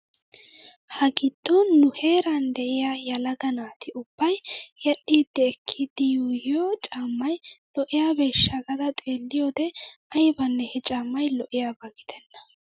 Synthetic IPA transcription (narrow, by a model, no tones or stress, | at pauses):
hɐɡɪd̪̥ːɔnʊhe̞ːɾɐnd̪ɛʔɪjajɐlɐɡɐnaːt̪ʰɪʊb̥ːɐjjɐʔːiːd̪ːɛːkʰːid̪ːɪjuːjɪjot͡ʃʼaːmːɐjlɔʔɪjabeːʃːɐɡɐd̪ɐt̪ʼeːlːɪjoːd̪ɛɐjbɐnːɛhɛt͡ʃʼaːmːɐjlɔʔɪjaːbaɡɪd̪̥ɛnːɐ̥